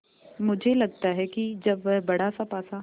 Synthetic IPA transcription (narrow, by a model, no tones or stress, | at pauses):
mʊd͡ʒʱelɐɡ̚t̪aɦɛkid͡ʒɐbʋɛɦbɐɽ̤asapaːsa